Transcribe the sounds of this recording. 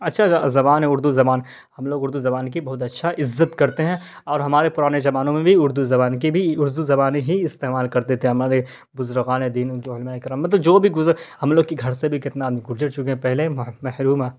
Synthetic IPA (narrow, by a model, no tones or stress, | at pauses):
ɐtːʃʰazɐbaːnɦɛ̃ʊɾd̪uzɐbaːn | hɐmloːɡʊɾd̪uzɐbaːnk̬ibɐɦʊt̪̬ɐtːʃʰaʔɪzːət̪kɐɾt̪eɦɛ̃ɔːɾɦɐmaːɾepʊɾaːned͡ʒɐbaːnõmẽbʱiʊɾd̪uzɐbaːnkibʱiʊɾd̪uzɐbaːneɦiɪst̪eːmaːlkɐɾd̪eːt̪eɦɛ̃ɦɐmaːɾe | bʊzɾɣaːned̪iːnoʊlmaːekɾaːmːɐt̪̬ləbd͡ʒoːbʱiɡʊzɾhɐmloːɡ̚kiɡʱɐɾsebʱikɪt̪naaːd̪miɡʊɾd͡ʒəɾt͡ʃʊkeɛ̃pɛɦlemɛɦɾuːmaː